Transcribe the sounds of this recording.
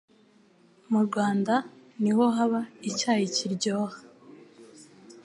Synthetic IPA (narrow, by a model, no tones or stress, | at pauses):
muɾɡwaːndaniho̞ɦaβaicaːjiciɾɟoːhḁ